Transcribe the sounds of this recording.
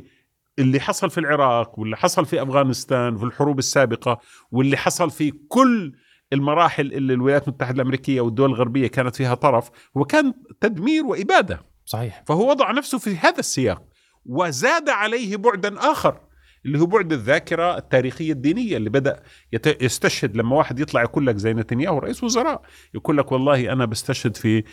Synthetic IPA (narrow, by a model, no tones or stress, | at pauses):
ʔɪlːiħɑsˤɑlfilʕɪɾɑːqwɪlːiħɑsˤɑlfiʔafɣaːnɪst̪aːnwfilħʊɾuːbɪsːaːbɪqɑ | wɪlːiħɑsˤɑlfikʊlː | ɪlmɑɾˤɑːħɪlʔɪlːilwɪlajaːt̪lmʊt̪ːaħɪd̪alʔamɾiːkɪjːawɪd̪ːʊwalɪlɣaɾbɪjːakaːnat̪fiːɦat̪ˤɑɾˤɑf | hʊwːakaːnt̪ad̪miːɾwɪʔɪbaːd̪a̰ | sˤɑħiːħfahwːawɑd̪ˤɑʕnafsʊfihaːðasːɪja̰ːq̚ | wɪzaːd̪aʕalejhbʊʕd̪anʔaːxɑɾˤ | ʔɪlːiːhuːbʊʕd̪aðːaːkɪɾaɪt̪ːaːɾiːxɪjːad̪ːiːnɪjːalːiːbad̪aʔ | jt̪ajɪst̪aʃhad̪lamːawaːħɪd̪jɨt̪ˤlɑʕjakuːlːakzajːnɪt̪anjaːhʊwɾˤɑ̰ʔiːslwʊzɑɾˤɑːʔ | jakuːlːakwɑlˤːɑːhʔanabast̪aʃhɪd̪fi